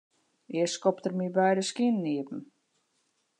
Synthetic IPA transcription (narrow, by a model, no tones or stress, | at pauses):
jɛskɔptərmibɛjdəskinːiəpm̩